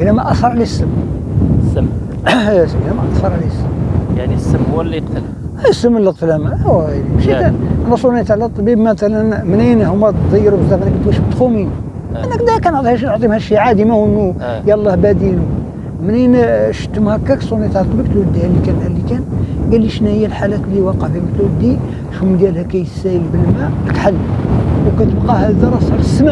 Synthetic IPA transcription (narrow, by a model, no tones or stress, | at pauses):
ʔilæmæʔæsɑɾˤʕlæsːəm | səm | slæmæʔɑfɑɾˤʕlæsːəmjaʕnisːəmwəlːiqt̪əl | æsːəmːəlːəq̚t̪əlæmææwmʃiæʔænæsˤunit̪aʕlæt̪ˤːbibmæt̪ælənmninhumːæt̪d̪ˤijɾubzæfænækt̪wæʃəbt̪xumin | ʔænːækd̪ækænoʕt̪ˤihæʃ̬noʕt̪ˤimhæʃiʕad̪imæwənːujælˤːɑhbæd̪inu | məninʃə̥t̪ːəmhækːæksˤunːit̪aʕlæt̪ˤbib̚t̪wəd̪ːihælːikænhælːikænɡælːiʃnæhəjːælħalæt̪liwɑqəʕfiməkt̪wəd̪ːi | ʃumd̪jælhækæjsæjəlbəlmæəlk̪ħalːwkæt̪əbqɑhæzɑɾˤɑsɑɾəsːma